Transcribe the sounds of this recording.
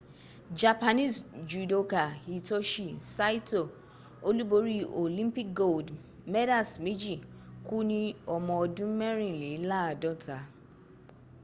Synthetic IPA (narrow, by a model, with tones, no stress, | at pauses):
d͡ʒa˨pa˧nĩ˦˨sd͡ʒu˨do˧ka˨i˨to˦ʃi˨sa˦i˦to˨ | o˦lu˦bo˧˦ɾi˦o˨lĩ˦mpi˦˨k̚ɡo˦˨ld | mɛ˦da˦˨smẽ˦d͡ʒi˦˨ku˦nĩ˧ɔ˧mɔ̃˧ɔ˧dũ˦mɛ˦ɾ̃ĩ˦˨le˨˦la˦a˨dɔ˦˨ta˨˦